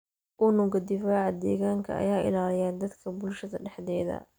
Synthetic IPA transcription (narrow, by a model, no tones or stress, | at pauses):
ʔʊnʊɡɐd̪ɪfaːʕɑd̪ɛːɣaːŋkʰɐ̰ɐ̰jaːʔɪ̰laːlɪjaːnd̪ɐd̪kʰɐbʊlʃɐðɐɖɛħðɛːðɐ̰